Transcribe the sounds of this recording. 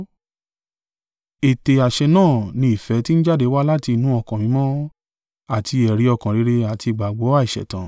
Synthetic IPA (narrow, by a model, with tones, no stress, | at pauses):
e˨te˨a˨ʃɛ˧nãː˦˨nĩ˧i˨fɛ˨˦ti˦n̩˦d͡ʒa˦˨de˨˧˦wa˦la˦ti˧nũ˦ɔ˦˧˨kã˨mĩ˨˦mɔ̃˦ | a˦˨tʰi˧ɛ˨ɾi˨˦ɔ˧˨kã˨ɾi˨˦ɾe˧a˨ti˧˨ɡ͡ba˨ɡ͡bo˨˦a˦˨i˨ʃɛ̰˨tã˨